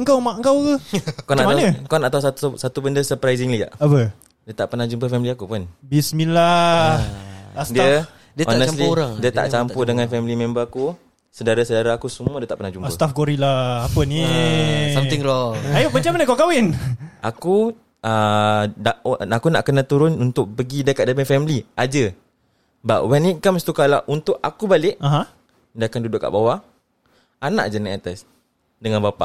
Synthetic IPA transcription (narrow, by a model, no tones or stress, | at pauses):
əŋkawmaʔəŋkawkəkanamanəkɔnaʔt̪awssat̪ubəndəsəpɾajzɪŋlia̰ʔapə | diət̪aʔpənad͡ʒumpəfɛmiliakupʊnbisminla | sdiə | dɔnəsliɾaŋdiət̪a̰ʔt͡ʃampudəŋãnfɛmilimɛ̃mbəku | sədaɾasədaɾaakusumuədiət̪aʔpənahd͡ʒumpəst̪afɡoɾilapənisamt̪ɪŋɾɔŋajoʔmət͡ʃamanakakawɪnaku | ə | aakunaʔkənat̪uɾʊnunt̪ʊk̚pəɡidəkaʔ̪̚dapəfɛmiliad͡ʒə | baʔwɛnikamst̪ukalaʔunt̪ʊʔakubalɪʔaɦã | dakandudʊʔkːa̰ʔbawa | ana̰ʔ̚d͡ʒaniʔat̪as | dəŋanbapa̰ʔ